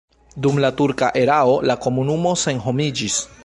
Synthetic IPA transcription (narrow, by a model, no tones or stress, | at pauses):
dumlatuɾkaʔe̞ɾao̞lako̞munumo̞se̞nɦo̞mid͡ʒis